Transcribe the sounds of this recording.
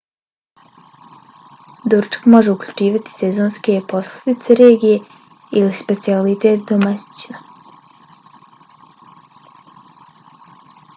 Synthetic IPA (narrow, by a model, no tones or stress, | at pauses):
d̪uɾt͡ʃkmo̞ʒe̞ukʎut͡ʃiːʋat̪i̥sɛzoːnskepo̞sled̪it̪seɾeːɡije | ilispe̞t̪sialit̪eːt̪d̪omḁt͡ɕina